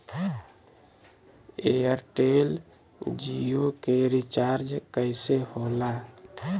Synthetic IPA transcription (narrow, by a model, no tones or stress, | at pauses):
ejəɾʈel | d͡ʒijokeɾit͡ʃaɾd͡ʒkəɪsehola